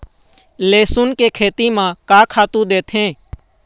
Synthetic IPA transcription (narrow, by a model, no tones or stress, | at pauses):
leːsʊnkekʰeːt̪imãkaːkʰaːt̪ũd̪eːt̪ɦẽː